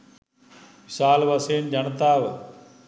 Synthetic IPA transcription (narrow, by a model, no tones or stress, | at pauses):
mɪsaːlʋɐseːnd͡ʑɐnt̪aːʋ